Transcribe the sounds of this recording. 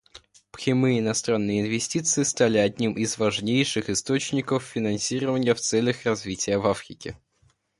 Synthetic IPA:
pxʲɪmɨɪnɐst̪ɾanːɨjəɪnvʲɪsʲtʲit̪sɨɪst̪alʲɪɐdʲnʲimɪzvɐʐnʲejʂɨxɨst̪ot͡ɕnʲɪkəfːʲɪnɐnsʲiɾəvənʲɪjəft̪sɛlʲəxrɐzvʲitʲɪjəvafɾʲɪkʲɪ

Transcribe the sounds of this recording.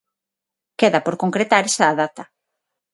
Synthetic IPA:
keðɐpoɾkoŋkɾet̪aɾesaːðat̪a

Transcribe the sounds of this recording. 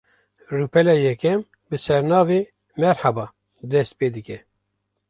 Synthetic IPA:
rupɛlɛjɛkʰɛm | bɨsɛɾnɑːve | mɛɾhabɑː | d̪ɛst̪̚peːd̪ɨkɛ

